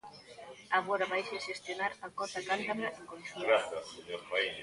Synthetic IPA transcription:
aβoɾaβajʃeʃest̪jonaɾakɔθakant̪aβɾaʔeŋkonθiɡɾaθjaseɲoɾfai

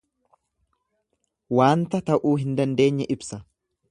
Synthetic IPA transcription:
waːnt̪ɐt̪ɐʔuːɦɪnd̪ɐnd̪e̞ːɲːɛʔɪbsɐ

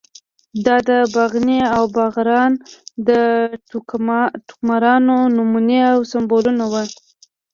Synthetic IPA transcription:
d̪ɑd̪əbaɣneawbaɣɾɑnd̪ə | ʈʊ̥kmaɾɑnonumuneawsambolunawə

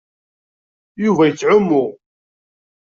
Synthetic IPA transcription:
juvæjət͡sːʕʊmːʊʁ

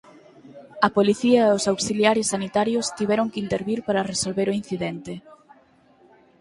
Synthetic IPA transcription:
ɐpoliθiɐeʊsawsiljaɾɪsːanit̪aɾjʊst̪iβɛɾoŋkɪint̪eɾβiɾpaɾɐresolβeɾoin̟θiðɛnt̪ɪ

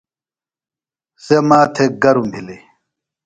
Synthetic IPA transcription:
semaːt̪ʰeɡɐɾumbʱile

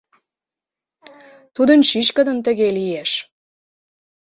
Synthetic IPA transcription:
t̪ud̪ənɕyʃkəd̪ənt̪ə̆ɣelijeʃ

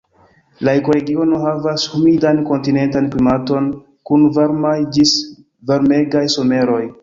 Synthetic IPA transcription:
laekoɾe̞ɡio̞no̞ɦavashumidanko̞ntine̞ntanklimato̞n | kunvaɾmajd͡ʒis | vaɾme̞ɡajso̞me̞ɾo̞j

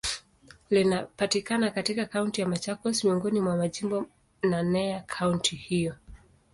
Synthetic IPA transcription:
linapatikanakatikakauntijamat͡ʃakɔsmiɔŋɡɔnimwamaʄimbɔ | nanɛakʰauntʰihijɔ

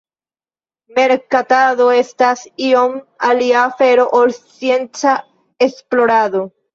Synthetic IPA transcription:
me̞ɾkataðoestasiomaliaːfe̞ɾo̞ʔolsje̞nt͡sa | esplo̞ɾaðo

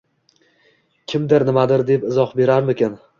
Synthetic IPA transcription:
kʲʰɪmd̪ɪɾnɪmad̪ɪɾd̪e̞pɪzɒhbe̞ɾaɾmɪkʲɪn

